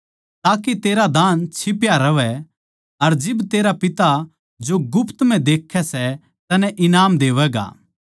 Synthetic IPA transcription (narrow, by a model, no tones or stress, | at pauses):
t̪aːket̪eːɾad̪aːnt͡ʃʰɪpjaɾɐʋɛ | ɐɾd͡ʒɪbt̪eːɾapɪt̪a | d͡ʒoɡʊpʰt̪m̤ɛ̃d̪eːkʰːɛsɛ | t̪ɐnɛ̃ʔɪnaːmd̪eːʋɛɡa̰ː